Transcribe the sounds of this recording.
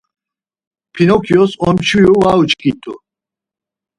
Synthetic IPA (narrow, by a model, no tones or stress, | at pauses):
pʰinɔkʰjɔsɔmt͡ʃʰujuvaut͡ʃkʼit̪ʼṵ